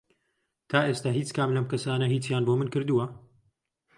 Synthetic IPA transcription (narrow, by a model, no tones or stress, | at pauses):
t̪ʰaːʔeːst̪aːɦiːt͡skaːmlɐmkɐsaːnɐɦiːt͡sjaːnboːmɨnkɨɾd̪uwɐ